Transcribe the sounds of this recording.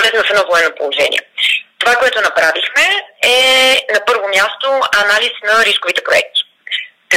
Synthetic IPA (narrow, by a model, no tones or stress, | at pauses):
lɛzvɐfɛd̪nɔvoɛnːopolˠoʒɛ̰nḭɛ̰t̪ovakoɛt̪ʊnɐpɾavixmɛɛnɐpɤɾvomʲjast̪oɐnalisnɐɾiskʊvit̪ɛpɾoɛ̰k̚t̪i̥ | k